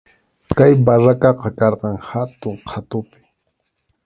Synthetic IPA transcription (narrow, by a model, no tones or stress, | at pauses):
kajbaɾakɑqɑkɑɾqɑŋhat̪ʊɴqʰat̪ʊpɪ̥